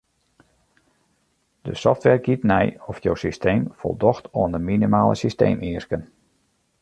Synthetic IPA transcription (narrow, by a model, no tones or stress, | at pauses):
d̥ə̰sɔftʋɛrɡitnɛjɔfjowsistʰejmfɔ̰lˠdɔxtɔːəndəminimaːlˠə̰sistḛːmiərskən